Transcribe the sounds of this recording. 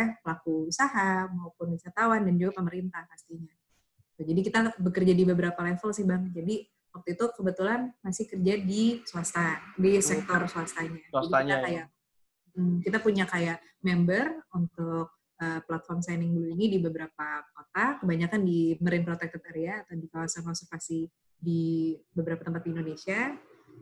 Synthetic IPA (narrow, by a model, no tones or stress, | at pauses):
apəlakuusaɦamaupʊnbisart̪awandand͡ʒuɡapəməɾint̪ahpast̪iɲa | t̪ud͡ʒadikit̪abəkərd͡ʒadibəbəɾapalɛfəlsɪhbaŋd͡ʒadi | wak̚t̪uit̪ukəbət̪ulanmasɪhkərd͡ʒadisuast̪adisɛk̚t̪ɔrsuast̪aɲad͡ʒadikt̪akaja | m̩kit̪apuɲakajaʔ | mɛmbərunt̪ʊk̚ | ʔəːplat̪̚fɔrmsajnɪŋduluinidibəbəɾapakot̪akəbaɲakandiməɾɪnpɾot̪ɛk̚t̪ət̪aɾiaːt̪awdikawasankɔnsərfasi | dibəbəɾapat̪əmpat̪̚indonesia